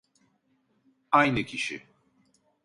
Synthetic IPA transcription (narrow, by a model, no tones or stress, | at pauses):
ajnɯcʰiʃi